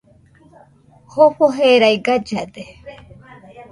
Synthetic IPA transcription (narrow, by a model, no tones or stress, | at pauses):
hoɸoɦeɾajɡad͡ʒad̪e